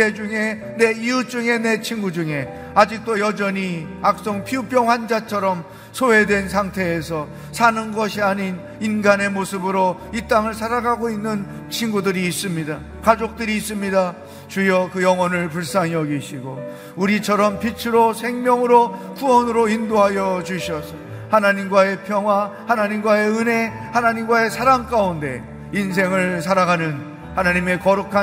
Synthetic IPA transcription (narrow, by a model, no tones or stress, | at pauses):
ed͡ʑuŋe̞ | ne̞iut͡ɕuŋe̞ne̞t͡ɕʰinɡud͡ʑuŋe̞ | ad͡ʑik̚t͈ojʌd͡ʑʌɲi | ak̚s͈oŋpʰiup͈jʌŋwand͡ʑat͡ɕʰʌɾʌm | sʰoɦe̞dwe̞ns̬ʰaŋtʰe̞ːsʰʌ | sʰanɯnɡʌɕʰiaɲin | inɡane̞mosʰɯbɯɾoit͈aŋɯɭsʰaɾaɡaɡoinːɯn | t͡ɕʰinɡudɯɾiːs͈ɯmɲida | kad͡ʑok̚t͈ɯɾiːs͈ɯmɲida | t͡ɕujʌkɯjʌŋwʌnɯɭp̬uɭs͈aŋjʌɡiɕʰiɡo | uɾit͡ɕʰʌɾʌmpit͡ɕʰɯɾosʰe̞ŋmjʌŋɯɾokuwʌnɯɾoindoɦajʌd͡ʑuɕʰiʌsʌ | hanaɲimɡwae̞pʰjʌŋɦwahanaɲimɡwae̞ɯne̞ | hanaɲimɡwae̞sʰaɾaŋk͈aunde̞̰ | ins̬ʰe̞ŋɯɭs̬ʰaɾaɡanɯn | hanaɲime̞kʌɾukʰa